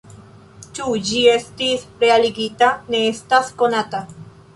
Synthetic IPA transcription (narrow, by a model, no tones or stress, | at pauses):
t͡ʃud͡ʒiest̪isɾealiɡit̪aneest̪askonat̪a